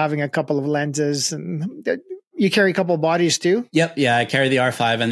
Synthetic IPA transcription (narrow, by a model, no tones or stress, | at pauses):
ævɪ̃ŋɨkʰʌpl̩ˠʌvlæ̃ntɪzɨ̃n | jɨkʰɛɹikʰʌp̬l̩ˠbɑɾiz̥tʰʉjɛpjæaɪkʰɛɹiðiɑɹfaɪvɨ̃n